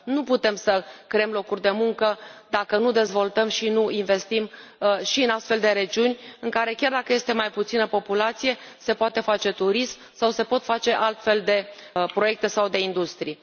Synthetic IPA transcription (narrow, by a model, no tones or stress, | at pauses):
nuput̪e̞msəkɾe̞emlo̞kurʲd̪e̞muŋkəd̪akənud̪e̞zvo̞lt̪əmʃinuinve̞st̪imʃiɨnast̪fe̞ld̪e̞ɾe̞d͡ʒiunʲɨŋkaɾe̞kʲjard̪akəje̞st̪e̞majput̪sinəpo̞pulat̪sije̞se̞poat̪e̞fat͡ʃe̞t̪uɾism | sawse̞po̞t̪fat͡ʃe̞ʔalt̪fe̞ld̪e̞pɾoje̞k̚t̪e̞sawd̪e̞ind̪ust̪ɾij